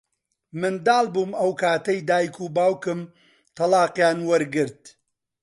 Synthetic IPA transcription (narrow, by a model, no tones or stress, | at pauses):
mɨnd̪aːlˠbuːmɐwkʰaːt̪ɐjd̪aːjkʰuːbaːwkɨm | t̪ʰɐlɑːqjaːnwɐɾɡɨɾt̪̚